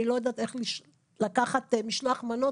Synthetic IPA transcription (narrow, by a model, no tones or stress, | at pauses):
ilo̞jad̪aːt̪eχliʃ | lakaχat̪miʃloaχmano